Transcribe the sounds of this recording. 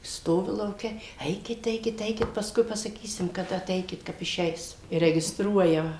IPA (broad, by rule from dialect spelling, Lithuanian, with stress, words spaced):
ˈstoːʋʲɪ lˠɐʊˈkʲɛ ˈɛɪkʲɪt ˈɛɪkʲɪt ˈɛɪkʲɪt pɐsˈkʊɪ pɐsɐˈkʲiːsʲɪm kɐˈdɐ ɐˈtʲɛɪkʲɪt ˈkɐp ɪˈʃʲɛɪs ɪ rʲɛɡʲɪsˈtruɔjɛ